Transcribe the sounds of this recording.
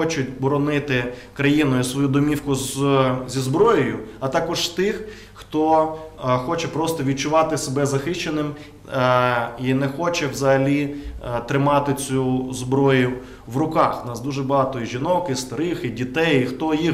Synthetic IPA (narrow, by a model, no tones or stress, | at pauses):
ɔt͡ʃʊt̚ʲbɔɾɔnɪt̪ɪkɾɐjinʊjʊsʋɔjud̪ɔmʲiwkʊzzʲizbɾɔjɔjʊɐt̪ɑkɔʒst̪ɪx | xt̪ɔ | xɔt͡ʃɛpɾɔst̪ɔʋʲid̪̚t͡ʃʊʋɑt̪ɪsebɛzɐxɪt͡ʃenɪm | inɛxɔt͡ʃɛwzɐɦɐlʲit̪ɾɪmɑt̪ɪt͡sʲuzbɾɔjʊ | ʋɾʊkɑxnɑsd̪uʒɛbɐɦɑt̪ɔjiʒʲinɔkɪst̪ɐɾɪxidʲit̪ɛjxt̪ɔji